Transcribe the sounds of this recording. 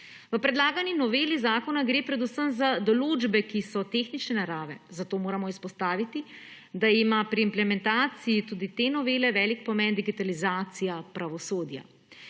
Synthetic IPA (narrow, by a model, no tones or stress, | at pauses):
ʋəpɾɛd̪laːɡaninɔʋeːlizaːkɔnaɡɾeːpɾɛd̪usəmzad̪ɔluːd͡ʒbɛkisɔt̪eːxnit͡ʃnɛnaɾaːʋɛzat̪oːmoːɾamɔispɔst̪aːʋit̪i | d̪aimapɾiːmplɛmɛ̃nt̪aːt̪sijit̪uːd̪it̪enɔʋeːlɛʋɛːlikpɔmɛnd̪iɡit̪alizaːt̪sijapɾaʋɔsoːd̪ja̰